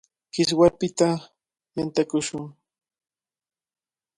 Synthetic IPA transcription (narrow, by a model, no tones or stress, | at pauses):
kɪs̬wapɪt̪a | mant̪akʊʃʊŋ